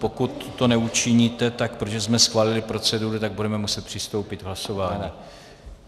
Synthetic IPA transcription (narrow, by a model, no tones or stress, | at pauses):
po̞kut̪ːo̞nɛut͡ʃɪɲiːt̪ɛt̪ak̚pɾoʒɛzmɛsxvaːlɪlɪpɾo̞t͡sɛduɾut̪aɡ̚budɛmɛmusɛt̪̚pr̥ɪst̪owpɪt̪vɦlaso̞vaːɲɛ